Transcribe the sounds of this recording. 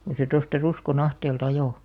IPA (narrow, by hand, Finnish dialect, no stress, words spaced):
ko se tostɑ ruskon ɑhteːlt ɑjoˑ